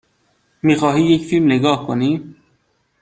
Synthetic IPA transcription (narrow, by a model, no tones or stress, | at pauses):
miːxɒːɦiːjecfilmneɡɒːhkʰoniː